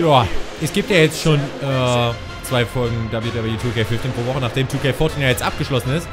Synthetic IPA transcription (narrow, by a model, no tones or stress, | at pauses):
jaːʔɛsɡ̥iːp̚tjaːjɛt͡stʃoːnʔɛː | t͡sv̥aɪfɔlɡŋ̩dabliːtʔabaɐitʰuːkʰeɪfɪftiːnpʁ̥oːvɔχənaːχd̥eːmtʰuːkeɪfɔɐtʰinjajɛt͡stʔa̰p̚ɡ̥əʃlɔsn̩ɪst